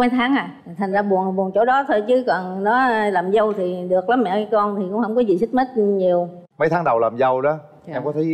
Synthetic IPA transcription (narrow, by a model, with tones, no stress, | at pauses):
mə˨˦jt̪ʰaː˨˦ŋʔaː˨˩˨t̪ʰa˨˩ŋ̟zaː˧ɓu˨˩ən˨˩ɓu˨˩ənt͡ɕo˧˩˦ɗɔ˨˦t̪ʰo˧jt͡ɕɨ˨˦kɔ˨˩nnɔ˨˦˧laː˨˩mzə˧wt̪ʰi˨˩ɗɨ˨˩ək̚la˨˦mːmɛ̰˧˨˧kɔ˧nt̪ʰi˨˩kʊ̰˧˥ŋ͡mhə˧˩ŋ͡mkɔ˨˦zi˨˩si˦˥k̚mə˦˥t̚ɲi˨˩əwmə˨˦jt̪ʰaː˨˦ŋɗə˨˩wlaː˨˩mzə˧wɗɔ˨˦ | ɛ˧mkɔ˨˦t̪ʰə˨˦